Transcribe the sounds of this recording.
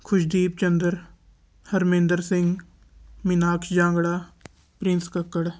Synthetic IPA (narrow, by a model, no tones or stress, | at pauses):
kʰʊʃd̪iːp̚t͡ʃənd̪əɾ | həɾmẽːnd̪əɾsɪ̃ŋɡ | mɪnaːkd͡ʒãːŋɡɽaː | pɾɪnskəkːəɽ